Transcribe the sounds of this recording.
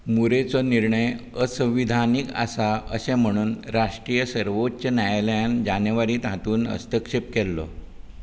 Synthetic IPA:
muɾet͡sɔniɾɳəj | əsə̃ʋid̪ʱanika̰saə̰sẽm̤əɽ̃uːnɾaʂʈɾiːjəsəɾʋotːɕənjajljãnd͡ʑanjəʋaɾiːt̪ɦat̪uːnə̰st̪əkʂep̚kɛlːɔ̰

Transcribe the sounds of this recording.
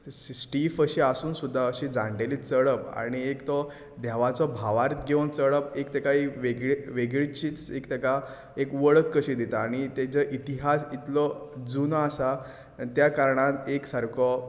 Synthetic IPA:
sʈifəɕiasuːnsud̪ʱːaəɕid͡zãɳɖelit͡səɭəpa̰ɽ̃iekt̪ɔ | d̪jaʋat͡sɔbʱaʋaɾt̪ɡʱeunt͡səɭəp̚ekt̪ekaiʋeɡɭeʋeɡɭit͡ɕiːt͡sekt̪eka | ekʋəɭəkːəɕĩd̪it̪aːɽ̃it̪et͡ɕəʔit̪iɦasit̪lɔd͡zunasa | t̪jakaɾɳ̃at̪eksaɾkʰɔ

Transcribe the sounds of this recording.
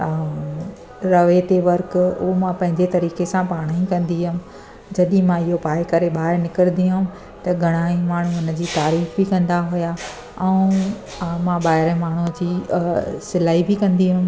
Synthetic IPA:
ɾɐʋet̪eʋɐɾkʊmãpɐ̃ɦɪ̃ɲd͡ʑet̪ɐɾiːkesãpaːɽ̃aĩkɐ̃nd̪iɦʊm | d͡ʑɐɗĩmãɪɦopaːɪkɐɾeɓaːɪnɪkəɾd̪iɦʊʊm | t̪ɐɡʱɐɽ̃aːĩmaːɳ̤uʊnə̆d͡ʑiːt̪aːɾiːfbɪkɐ̃nd̪aɦʊja | ɛ̃ũ | mãɓaːɦɪɾə̃maːɳ̤ud͡ʑiːsɪlaːibɪkɐ̃nd̪iɦʊm

